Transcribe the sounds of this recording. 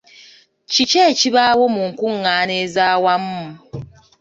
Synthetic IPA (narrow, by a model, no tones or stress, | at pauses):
t͡ʃit͡ʃet͡ʃiβawomuŋ̩kʷuŋ̩ːaːnezawam̩mʊ